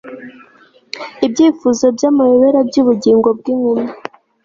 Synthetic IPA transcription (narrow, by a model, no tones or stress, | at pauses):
ibɟiːfuzo̞bjamajoβeɾabjuːβuɟiːŋɡo̞b̚ɡiːŋuma